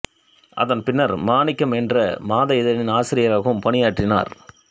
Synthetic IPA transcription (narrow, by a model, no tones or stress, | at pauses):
ʔɐ̰ðɐnpɪnːɐɾmaːnɪkːɐmɛndrɐmaːðɐɪðɐnɪnaːsɪɾɪjɐɾaːɣɐɯmpɐɳɪjaːʈrɪna̰ːɾ